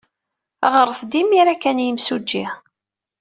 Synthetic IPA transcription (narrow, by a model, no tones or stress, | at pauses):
æʁəɾˤəθd̪imːiɾækːænjəmsud͡ʒːi